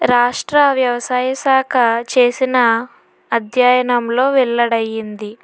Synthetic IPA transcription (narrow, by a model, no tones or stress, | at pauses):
ɾaːʂʈɾɐʋjɐʋɐsaːjɐsaːkʰɐt͡ʃe̞ːsinɐː | d̪ʱjaːjɐnɐmlo̞ːʋɛɭːɐɽɐjːind̪i